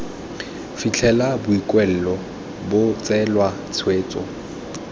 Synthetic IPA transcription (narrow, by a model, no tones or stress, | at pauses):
fit͡ɬʰɛlabʊikʼwɛl̩lɔ | bʊt͡sʼɛlwa | t͡sʰweːt͡sʼɔ̰